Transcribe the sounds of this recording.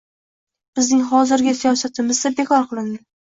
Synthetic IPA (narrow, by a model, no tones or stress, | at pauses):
b̥ɪznɪŋɦɒzɪɾɡʲɪsijɒsat̪ʰɪmɪzd̪abe̞kʰɒɾqʰɨlˠɪnd̪ɪ